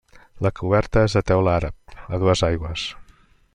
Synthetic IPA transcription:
ləkʰuβ̞ɛɾt̪əezðət̪ɛwlaɾəp̚əðuəzajɣwəs

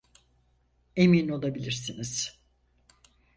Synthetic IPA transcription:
emino̞lˠabilʲiɾsiniz̥

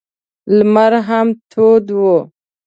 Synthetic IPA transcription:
lmaɾɦamt̪ʰoːd̪wo

